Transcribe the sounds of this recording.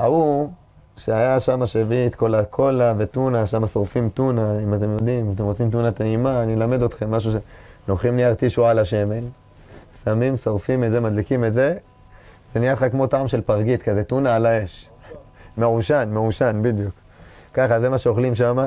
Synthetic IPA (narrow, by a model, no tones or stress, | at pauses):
au | ʃeajaʃamaʃeviet̪ko̞lakʰo̞lave̞t̪unaʃamasoʁfimt̪unaimat̪e̞mjo̞dimat̪e̞mʁot͡simt̪unat̪eimaːnilame̞d̪o̞t̪χe̞mːaʃ̬uʃenoχimniaʁt̪iʃualaʃe̞me̞l | samimsoʁfimetzemad̪likimetze̞ | venijatχakmo̞taʕamʃe̞lpaʁɡit̪kazet̪unaalae̞ʃ | me̞ʕuʃanmeuʃanbid̪juk | kaχazemaʃeoχlimʃama